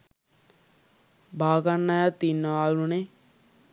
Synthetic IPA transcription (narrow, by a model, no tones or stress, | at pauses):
bʱaːɡanːajat̪ːinːəʋaːulune